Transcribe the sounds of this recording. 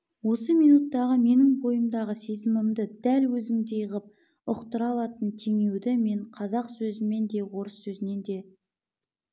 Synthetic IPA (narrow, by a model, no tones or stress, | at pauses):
wo̞səmijnut̪ːɑʁəme̞nɪŋbo̞jəmd̪ɑʁəse̞zɪmɪmd̪ɪd̪ælwɵzɪŋd̪e̞jəʁəp̚ | ʊqt̪əɾɑlˠɑt̪ənt̪ʰe̞ŋe̞wd̪ɪme̞ɴqʰɑzɑqsɵzɪme̞nd̪e̞wo̞ɾəsːɵzɪne̞nd̪e̞